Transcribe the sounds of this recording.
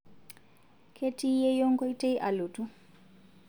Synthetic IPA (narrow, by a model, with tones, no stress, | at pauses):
kʰe˦ti˦jɛ˦jɔ˦ŋɡɔ˦i˦te˦i˦ʔa˨lu˨tu˦